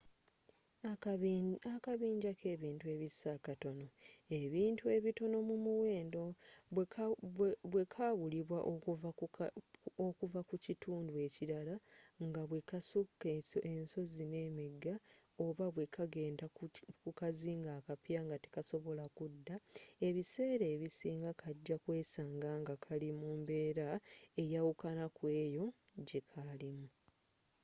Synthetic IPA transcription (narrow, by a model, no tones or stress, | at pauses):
akaβiːɲɟakʰe̞ːβiːntue̞ːβisːakato̞no̞e̞βiːntue̞βito̞no̞mumuwe̞ːndo̞ | βwe̞kʰaːβuliβwaʔ | okuvakucituːndue̞ciɾalaŋɡaβwe̞kasukːesoʔenso̞zine̞ːmeɡːao̞βaβwe̞kʰaɡe̞ːndakukaziːŋɡaːkapjaŋɡatekaso̞βo̞lakudːae̞βise̞ːɾe̞ːβisiːŋɡakʰaɟːakwe̞ːsaːŋɡaŋɡakʰalimuːmbe̞ːɾaejawukanakwe̞ːjo̞ | ɟe̞kʰalimu